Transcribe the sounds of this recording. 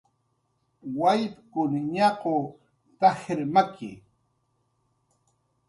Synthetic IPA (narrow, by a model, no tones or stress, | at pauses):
wajpkʊnɲɑqo | t̪ahɪɾmakʰɪ̰